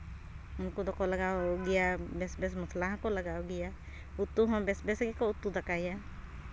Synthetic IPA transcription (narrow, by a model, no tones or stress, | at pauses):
ʊnkod̪ɔkolɐɡaːɡɪjabɛsbɛs̬mʊsʰlaɦkolɐɡaːoɡɪja | ʊt̪ːuɦɔ̃bɛsbɛsɡekoʊt̪ːud̪ɐkaja